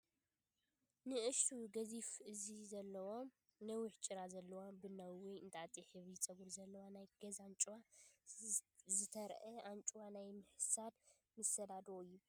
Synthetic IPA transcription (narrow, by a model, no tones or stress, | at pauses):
nɨʔɨʃt̪ʰuɡɐzifɨzizɐlːɐwo̞m | nɐwiħt͡ʃʼɨɾazɐlːɐwabɨnɐwwɔjɨnt̪ʰaʔt̪ʼiħɨβit͡sʼɐɡuɾzɐlːɐwanajɡ̥ɐzant͡ʃʼwa | zɨt̪ʰɐɾʔɐant͡ʃʼuwanajmɨħɨsad̪ | mɨsɐd̪ad̪wojub